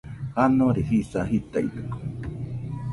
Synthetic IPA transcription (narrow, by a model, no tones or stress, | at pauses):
hanoɾehisaɦit̪a̰it̪e̥ko̥